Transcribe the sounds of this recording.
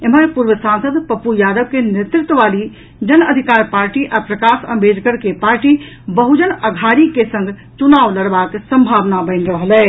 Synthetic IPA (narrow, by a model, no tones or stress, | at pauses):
eməɾpuɾʋəsansəd̪pəpujad̪əb̚kenet̪ɾɪt̪ːəʋali | d͡ʒənəd̪ʱikaɾpaːɾʈiʔapɾəkasəmbʱed͡ʒɡəɾkepaɾʈi | bəɦud͡ʒənəɡʱaɾikesə̃ŋɡʱt͡ʃunaʋləɽbaksəmbʱaʋnabə̃ɪnɾəɦlɛː